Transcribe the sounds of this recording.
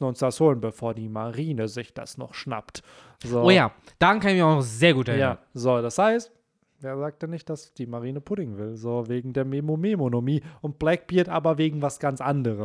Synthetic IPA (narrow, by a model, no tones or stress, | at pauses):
n̩ʊnsd̥ashoːlənbəfoːɐdiːmaʁiːnəzɪçd̥a̰snɔ̰χʃna̰pt | zoːoːjaː | d̥aankʰanɪçmiɐaʊnɔχz̥eːɐɡuːtɛɐjaːɐzoːd̥ashaɪst | veːɐzaːk̚tanɪçt̚d̥asd̥iːmaʁiːnəpʰʊdɪŋvɪlzoːveːɡŋ̩deːɐmemomemonomiːʔʊnt̚b̥lɛk̚b̥iːɐtʔaːbɐveːɡŋ̩vasɡ̥ant͡sʔandəʁə